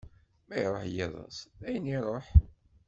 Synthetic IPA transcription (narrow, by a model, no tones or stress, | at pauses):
mæjɾˤoħjiðˤɑ̰sæjənːiɾˤoħ